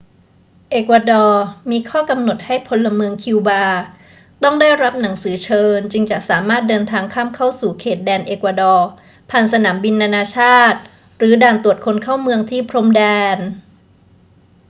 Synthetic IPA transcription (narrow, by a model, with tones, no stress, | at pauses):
ʔeː˨˩kwaː˧dɔː˧miː˧kʰɔː˥˩ka˧mno˨˩t̪̚ha˥˩jpʰo˧lːa˧mɯ˧əŋkʰi˧wbaː˧ | t̪ɔ˥˩ŋdaː˥˩jɾa˦˥p̚na˩˦ŋsɯː˩˦t͡ɕʰɤː˧nt͡ɕɯ˧ŋt͡ɕa˨˩ʔsaː˩˦maː˥˩t̪̚dɤː˧nt̪ʰaː˧ŋkʰaː˥˩mkʰa˥˩wsuː˨˩kʰeː˨˩t̪̚dɛː˧nʔeː˨˩kwa˧dɔː˧ | pʰaː˧˩nsa˧naː˩˦mbi˧nːaː˧naː˧t͡ɕʰaː˥˩t̪̚ | ɾɯː˩˦daː˨˩nt̪u˨˩ət̪̚kʰo˧nkʰaː˥˩wmɯ˧əŋt̪ʰiː˥˩pʰɾo˧˥mdɛː˧n